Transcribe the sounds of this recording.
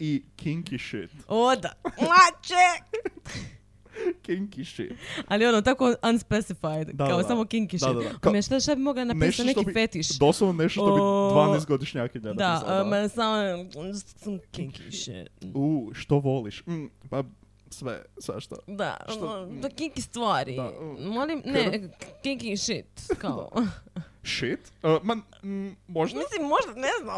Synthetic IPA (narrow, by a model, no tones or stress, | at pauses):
ikʰiŋkiʃit̪od̪amat͡ʃe | kiŋkiʃḭt̪alˠionot̪akoʔanspesifajd̪d̪akaossamokiŋkiʃidt̪aaameʃt̪aʃt̪abimoɡlananeʃɐnet̪oiifet̪iʃd̪oslˠononeʃt̪oʃt̪obivanejs̬t̪ɡod̪iʃɲakiɲɛd̪amasamo | samkiŋkiŋʃḭt̪uːʃt̪oʋoliʃma | sʋḛsḛʃt̪o̰d̪a̰ʃt̪okiŋkist̪ʋaɾḭmolimnɛkiŋkiŋʃit̪kao̰ | ʃit̪əma | moʒd̪mislimːoʒd̪aneznam